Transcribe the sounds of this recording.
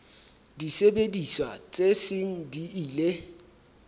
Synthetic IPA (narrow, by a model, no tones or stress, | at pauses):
disebediswa̰t͡sʼesɪŋ̩diiːle